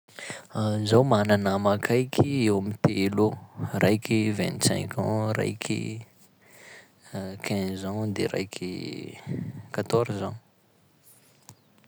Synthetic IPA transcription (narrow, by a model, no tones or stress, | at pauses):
zawmananamakʰajkʲʰiewamit̪elurʔajkʲivɛ̰̃nt̪sɛ̰̃ŋkʰɔ̰̃ra̰jkʰḭ | kʰɛ̃zad̪ḛɾa̰jkʰʲḭ | kat̪ɔɾzaɲ